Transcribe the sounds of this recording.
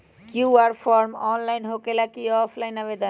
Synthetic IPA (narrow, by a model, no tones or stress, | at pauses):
kjuaɾfʰɔɾmɔnlajnɦokelakiɔpʰlajnabed̪a